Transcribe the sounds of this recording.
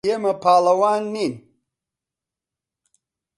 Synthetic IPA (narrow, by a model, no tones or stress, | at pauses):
emɐpʰaːlɐwaːnːin